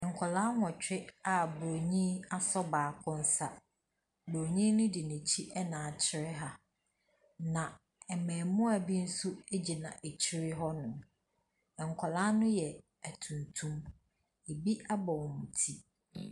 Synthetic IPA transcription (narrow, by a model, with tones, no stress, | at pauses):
ɛ̃˨ŋ̩˨kʷʰɔ˨lãː˦ŋɔ̃˨t͡ɕᶣɪ˦a˨bo˨ɲĩ˦a˦sɔ˦baː˨kʰʊ̃˦n̩˦sa˦ | bo˨ɲĩ˦nʊ̃˦di˨nĩ˨t͡ɕʰi˦ʔɛ˦nã˨t͡ɕʰɪ˦ɾɪ˦ɦa˦ | nã˨ | ɛ˨mɛ̃ː˨mʊ̃˦a˨bi˦n̩˦su˦e˦d͡ʑi˨nã̰˨ʔe˨t͡ɕʰɪ˦ɾɪ˦ɦɔ˦nʊ̃˨ | ɛ̃˨ŋ˨kʷʰɔ˨la˦nʊ̃˦jɛ˨ | æ˨tʰũ˨ntʰũ˦m | e˨bi˦a˦bɔ˨wmʊ̃˨tʰi˦